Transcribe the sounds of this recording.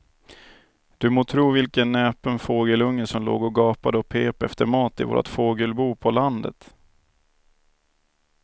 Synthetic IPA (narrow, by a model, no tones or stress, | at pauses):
d̪̥ɵmoːt̪ʰɾuːvɪlkənːɛːpənfoːɡəlɵŋːəsɔmlo̰ːɡɔɡɑːpad̪əɔpʰeːpɛft̪əɾmɑːt̪ɪvo̰ːɾʔa̰t̪foːɡəlbuːpʰɔland̪ə̰t̪